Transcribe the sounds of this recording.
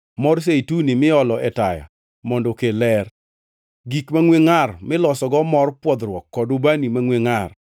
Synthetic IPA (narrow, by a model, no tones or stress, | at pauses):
mɔrs̬eitunimɪɔlɔɛtaja̰ | mɔndɔkelɛr | ɡikmaŋweŋarmɪlɔsɔɡɔmɔrpwɔd̪ɾwɔkːɔdʊbanimaŋweŋar